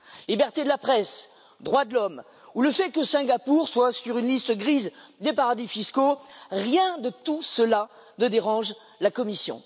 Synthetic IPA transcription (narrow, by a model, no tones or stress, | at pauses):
libɛʁt̪ed̪əlapχɛs | d̪ʁwad̪əlɔm | uləfɛkəsɛ̃ɡapuʁswasyʁynlist̪əɡʁizd̪epaʁad̪ifiskoʁjɛ̃d̪ət̪usəla | nəd̪eʁɑ̃ʒ | lakɔmisjɔ̰̃